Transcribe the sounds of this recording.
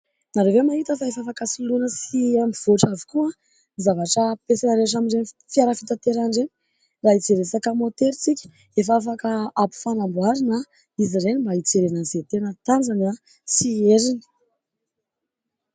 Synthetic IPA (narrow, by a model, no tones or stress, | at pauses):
naɾevemaɦit̪əfaefafakasilunəsiamiv̥oʈ͡ʂavi̥kua | nizavaʈ͡ʂəpesanaɾeʈ͡ʂamiɳɖ͡ʐen | fjaɾəfit̪at̪eɾaɳɖ͡ʐeni̥ | rait͡seɾesakəmot̪eɾit͡sikʲi̥ | efafakəapu̥fanambuaɾina | izirenimbait͡seɾenazet̪enət̪and͡zana | sieɾini̥